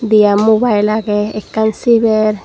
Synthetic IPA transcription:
d̪ijamːubajlaɡɛɛkːansibɛɾ

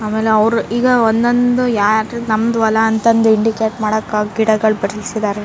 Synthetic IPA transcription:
aːmeːleɐʋɾuiːɡɐond̪ond̪ujaːɾnɐmːɐd̪uʋɐlɐːnt̪ɐnd̪uiɳɖikeːʈmaːɽɐkːaɡiɽɐɡɐɭbɐɾɐlisid̪aːɾe

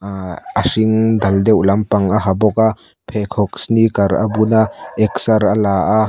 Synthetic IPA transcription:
asiŋd̪ɐld̪ɛwlɐmpɐŋaɦabɔk̚a | pʰɛkʰɔk̚snikɐɾa̰bunaɛk̚sɐɾalaːʔa

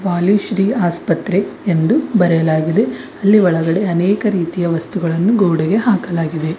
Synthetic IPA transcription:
ʋaːliʃɾiːaːspɐt̪ɾe̞ːnd̪ubɐɾɛjɐlaːɡid̪e̞ɐlːiʋɔɭɐɡɐɽe̞ɐnɛːkɐɾiːt̪ijɐʋɐst̪uɡɐɭɐnːuɡoːɽɛɡe̞ɦaːkɐlaːɡid̪e̞

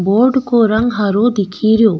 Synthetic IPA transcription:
boɾɖkoɾəŋɡɦaɾod̪ikʰiɾijo

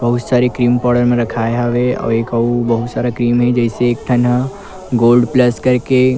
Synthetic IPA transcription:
bəɦut̪saɾekɾiːmpɔːɾɖəɾmẽɾəkʰaeɦaʋeɔ̰ːeːkəubəɦut̪saɾakɾiːmɦɛd͡ʒɛɦɪseːk̚ʈʰanɦa | ɡolɖpləskəɾke

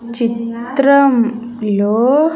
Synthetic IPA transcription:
t͡ʃit̪ɾɐm | loː

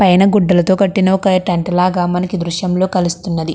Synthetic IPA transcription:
pɐjnɐɡuɖːɐlɐt̪o̞ːkɐʈːinɐokɐʈɐɳʈɐlaːɡaːmɐnɐkid̪ɾuʃjɐmlo̞ːkɐlist̪unːɐd̪i

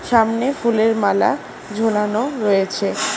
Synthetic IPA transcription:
ʃamnefuleɾmala̰ | d͡ʑʱolanoɾojet͡ɕʰe

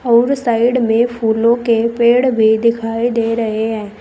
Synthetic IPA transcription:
ɔːɾsaːɪɽmẽpʰuːlõkepeːɽbʱid̪ɪkʰaːid̪eːɾɐɦeɦɛ̃ː

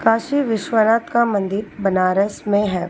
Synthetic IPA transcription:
kaːʃiʋɪʃwənaːt̪kamɐ̃nd̪ɪɾbɐnaːɾəsmẽɦɛː

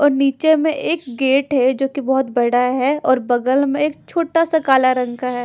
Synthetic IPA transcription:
ɔːɾniːt͡ʃemẽʔeːkɡeːʈɦɛd͡ʒoːkibɔɦʊt̪bɐɽaɦɛɔːɾbɐɡəlmẽeːkt͡ʃʰoːʈasɐkaːlaɾɐ̃ŋkaɦɛː

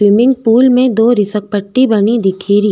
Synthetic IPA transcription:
wɪmɪ̃ŋɡpuːlmẽd̪oːɾɪsək̚pəʈːibɐnid̪ɪkʰiːɾiː

